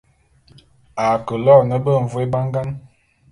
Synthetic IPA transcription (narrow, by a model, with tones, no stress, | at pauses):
a˨kə˨lɔ˦˨nə˦bə˦˨ɱ̩˨vu˨e˦ba˦ŋɡa˦n